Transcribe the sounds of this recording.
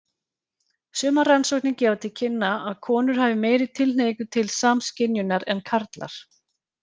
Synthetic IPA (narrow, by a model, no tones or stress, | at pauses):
sœːmaransowknɪcɛːvat̪ʰɪlcʰɪnːaaðkʰɔːnʏɾ̥haːvɪmeːjɾɪðt̪ʰɪln̥eːjkʏt̪ʰɪlsaːmscɪnjʏnaɾɛnkʰaɾt̪la̰ɾ̥